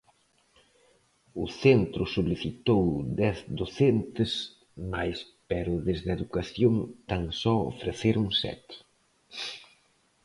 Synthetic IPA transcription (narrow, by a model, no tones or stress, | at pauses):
ʊθent̪ɾʊsuliθit̪owd̪ɛθd̪oθent̪ɪs | majspɛɾʊðezðeðukaθjoŋt̪aŋsɔo̰fɾeθeɾuŋsɛ̰t̪